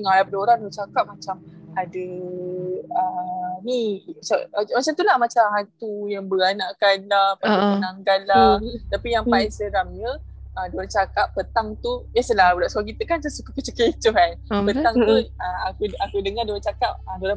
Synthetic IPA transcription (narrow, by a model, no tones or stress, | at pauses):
əŋalapadoɾaŋlot͡ʃakap̚mat͡ʃamadə | ənimat͡ʃamat͡ʃamt̪ulahmat͡ʃamɦat̪ujaŋbəanaʔkanlahpaaənaŋɡallat̪apijaŋfaisəɾamɲə | ədoɾat͡ʃakap̚ːət̪aŋt̪ujɛsəlabəlaʔsak̬it̪əkant̪usukəkət͡ʃəkət͡ʃuɦanpət̪aŋt̪uəakuakudəŋadoɾat͡ʃakap̚ədoɾa